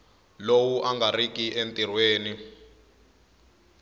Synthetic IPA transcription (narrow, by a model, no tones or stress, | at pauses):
lowuʔaŋɡarikiʔentʼirweːni